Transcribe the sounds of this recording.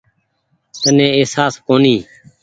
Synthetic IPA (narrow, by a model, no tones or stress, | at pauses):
t̪ənẽːeːsaːskoːniː